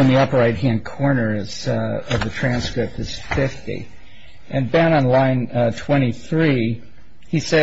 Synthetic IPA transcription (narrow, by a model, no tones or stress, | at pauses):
ɨ̃nðiʌpɹaɪd̚ɦæ̃nkʰɔɹnə˞z̥ʌvðɨtʰɹ̥æ̃nskɹɪp̚tɨz̥fɪftḭ | ʔɨ̃nbæ̃nə̃nlãɪ̃ntʰw̥ɛ̃ɾ̃iθɹi | isɛ